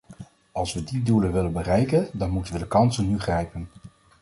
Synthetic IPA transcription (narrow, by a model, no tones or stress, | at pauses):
ɑlˠsʋədidulənʋɪlənbərɛjkəndɑnmutənʋədəkɑnsənːyχrɛjpən